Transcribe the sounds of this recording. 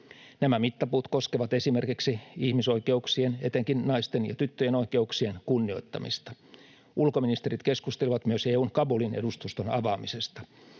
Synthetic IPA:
næmæmit̪ːɑpuːt̪ko̞skeʋɑt̪e̞sime̞rkiksiihmiso̞ike̞uksiene̞t̪eŋkinːɑist̪enjɑ̰t̪yt̪ːøjeno̞ike̞uksie̞nkunːio̞jt̪ːɑ̰mḭst̪ɑ̥ | ʔulkominist̪eɾit̪ke̞skust̪eliʋɑt̪myøseːuːŋkɑbulinḛdust̪ust̪onɑʋɑːmise̞st̪ɑ̥

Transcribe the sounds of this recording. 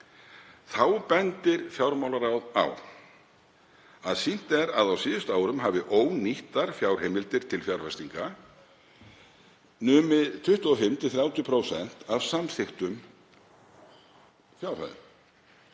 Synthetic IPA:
θawpɛnt̪ɪɾ̥fjawɾmawlaɾawða̰w | aðsin̥t̪ɛɾaðawsɪːðʏst̪aːwɾʏmɦaːvɪʔoːwniht̪aɾ̥fjawɾ̥hejmɪlt̪ɪɾ̥t̪ʰɪlfjawɾ̥fɛst̪iŋka | nʏːmɪðt̪ʰʏht̪ʏɔfɪm̥t̪ɪθɾjaːwt̪jʏpʰɾowsɛn̥t̪avsamθɪxt̪ʏm | fjawɾ̥ha̰ðʏ̰m

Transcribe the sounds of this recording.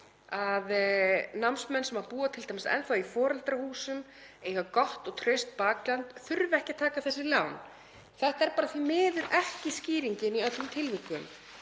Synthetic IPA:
aðnamsmɛnsɛmaɾpuːat̪ʰɪlt̪ʰajmɪst̪ɛ̰nθawifɔːɾalt̪ɾahuːsʏm | ejɣakɔht̪ɔɣt̪ʰɾʏst̪̚paːklant̪θʏɾvɛhcɪat̪ʰaːkaθɛsːɪlawn | θɛht̪aɛɾpaːɾaθvimɪːðʏɾʔɛhcɪsciːɾiɲcɪniœt̪ʏmt̪ʰɪlvɪkʏm

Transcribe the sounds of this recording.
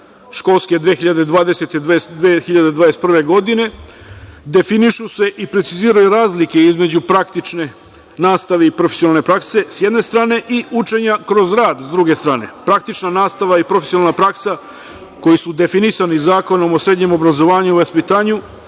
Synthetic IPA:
ʃko̞lˠske̞d̪ʋexiʎad̪e̞d̪ʋaːd̪e̞set̪ed̪exiʎad̪ed̪ʋad̪est̪prʋe̞ɡo̞d̪ine̞ | d̪e̞finiʃuse̞ʔipɾe̞t̪siziːɾajuɾaːzlike̞izmed͡ʑupɾakt̪it͡ʃne | naːst̪aʋeipɾofe̥sionalˠnepɾakse̞sjed̪ne̞st̪ɾaːne̞ʔiut͡ʃe̞ɲakɾo̞zɾaːd̪zd̪ɾuɡe̞st̪ɾaːne̞̰pɾak̚t̪it͡ʃnanaːst̪aʋaipɾo̞fesionalnapɾaksa | ko̞jisud̪e̞finisanizaːko̞no̞mo̞sɾe̞d̪ɲe̞mo̞bɾazo̞ʋaːɲuʋaspit̪aːɲu

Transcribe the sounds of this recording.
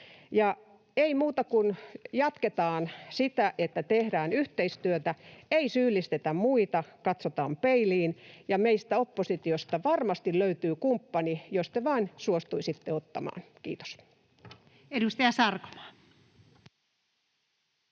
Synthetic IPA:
jɑ | eimuːt̪ɑkunjɑt̪ket̪ɑːnsit̪æʔet̪ːæt̪ehɾæːnyht̪eist̪yøt̪æeisyːlːist̪et̪æmmuit̪ɑkɑt̪sot̪ɑːmpeiliːnjɑmeist̪æopːosit̪iost̪ɑʋɑrmɑst̪illøyt̪yːkumpːɑnijost̪eʋɑːnsuost̪uisit̪ːeot̪ːɑ̰mɑ̰ːnkḭːt̪o̥s | edust̪ɑjɑsɑrko̥mɑ̥ː

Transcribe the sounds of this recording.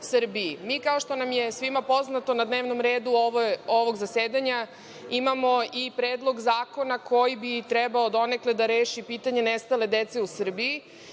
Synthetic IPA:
sr̩biimiːkaoʃt̪o̞namjesʋimapo̞znat̪o̞nad̪neːʋno̞mɾeːd̪uoʋojoʋo̞ɡzaseːd̪aɲa | imamo̞ipɾeːd̪lˠo̞ɡzaːkonako̞jibit̪ɾɛbaod̪o̞nekled̪aɾeːʃipiːt̪aɲe̞nest̪ale̞d̪et̪se̞usr̩bii

